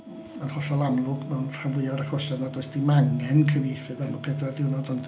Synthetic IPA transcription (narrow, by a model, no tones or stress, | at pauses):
manhɔɬɔlˠamlˠʊɡ̥mɛwnr̥avʊɨaɾaχɔsanɔdoɨsd̥imaŋɛnkʰəvifɨðamɔpʰedadɪwnɔdɔnd